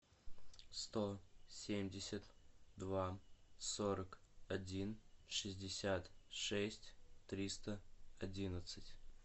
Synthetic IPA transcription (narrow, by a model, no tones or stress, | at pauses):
st̪osʲemʲdʲɪsʲət̪d̪vasoɾəkɐdʲinʂɨzʲdʲɪsʲat̪ʂɛsʲtʲt̪ɾʲist̪əɐdʲinət̪sɨtʲ